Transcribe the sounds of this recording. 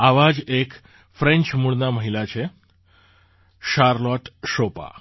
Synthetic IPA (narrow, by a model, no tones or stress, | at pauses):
aʋad͡ʑek | fɾẽnt͡ʃmuɭnaməɦilat͡ɕʰe | ʃaɾlɔʈʃopa̰